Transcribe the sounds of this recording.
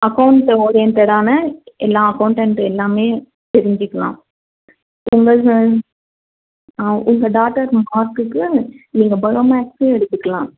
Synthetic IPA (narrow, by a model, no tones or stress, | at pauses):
ɐkɐʊɳʈːɔɾeːnt̪ɛɽaːnɐɛlːaːɐkɐʊɳʈɛɳʈɛlːaːmeː | t̪ɛɾɪɲd͡ʒɪkːɐlã̰ː | ʊŋɡɐ | ʔʊŋɡɐɖaːʈːɐɾmaːɾkɯkːɯniːŋɡɐbɐɻɐmːkseɛɽɯt̪ːɯkːɐɭãː